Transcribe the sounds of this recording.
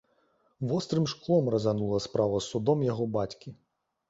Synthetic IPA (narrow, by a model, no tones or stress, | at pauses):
vɔst̪ɾɨmʂklˠɔmrɐzanulˠɐspɾavɐsːud̪ɔmjaɣɔbat͡sʲkʲi